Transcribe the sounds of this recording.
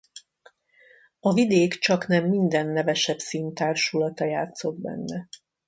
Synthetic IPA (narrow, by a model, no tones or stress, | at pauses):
ɒvid̪eːkt͡ʃɒknɛmːind̪ɛnːɛvɛʃɛpsiːnt̪aːrʃulɒt̪ɒjaːt̪so̞d̪̚bɛ̰nːɛ